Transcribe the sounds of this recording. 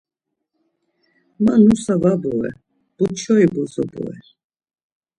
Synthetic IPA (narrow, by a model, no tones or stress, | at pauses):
manusavabuɛ̰ | b̥ut͡ʃʰɔibuzɔ̰bṵɛ̰ɾ